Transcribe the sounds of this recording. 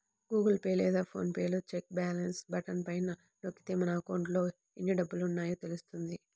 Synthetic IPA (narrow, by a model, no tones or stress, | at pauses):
ɡuːɡɐlpeːlɛːd̪aːpʰo̞̰ːnpeːlut͡ʃek̚baːlɐnsbɐʈɐnpɐjnɐ | nokːi̥t̪eːmɐnaːkoːɳɖlo̞ː | enːiɖɐbːulunːaːjut̪e̞lust̪und̪i